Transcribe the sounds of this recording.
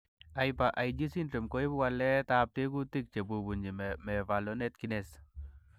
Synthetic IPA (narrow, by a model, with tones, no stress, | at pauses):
a˨jpa˨ʔa˨jd͡ʒi˦si˦ntɾe˨mko˦i˦bwa˧lɛ˦t̪ap̚t̪e˦ɡu˦t̪i˦k̚t͡ʃe˨bu˨bu˨ɲi˨mɛ˨va˨lonɛ˦t̪ki˦nɛs